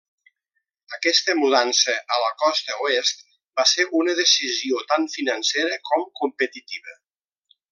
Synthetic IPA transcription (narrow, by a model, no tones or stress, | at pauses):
əkɛst̪əmuðansəʔələkɔst̪əuest̪̚ | baseɾʔunəðəsiziot̪aɱfinənseɾəkɔmkumpət̪it̪iβə